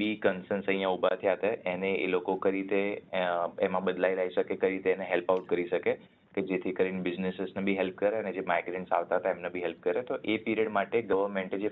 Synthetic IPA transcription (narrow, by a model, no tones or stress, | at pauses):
bikənsənsə̃jjãubat̪ʰiat̪aeneḛlokokəɾit̪e | emãbəd̪lajlaiʃəkekəɾit̪eːneɦelpaʊʈ̚kəɾiʃəke | ked͡ʒet̪ʰikəɾeɳbɪd͡ʒnesesnebʱiɦelp̚kəɾeəned͡ʒemaiɡɾẽɳʈsa̰ʋt̪aɦət̪aemnebʱiɦelp̚kəɾet̪oʔepiɾiəɖmaʈeɡəʋəɾmẽɳʈed͡ʒe